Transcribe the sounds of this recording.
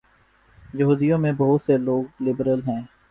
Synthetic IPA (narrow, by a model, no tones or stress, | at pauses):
jəɦuːd̪ijõmẽbɐɦʊt̪seloːɡ̚lɪbɾəlɦɛ̃ː